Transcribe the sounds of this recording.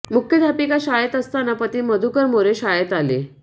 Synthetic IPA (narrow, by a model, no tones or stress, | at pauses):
mukʰjəd̪ʱapikaɕajət̪əst̪anapət̪iːməd̪ʱukəɾmoɾeɕajət̪alḛ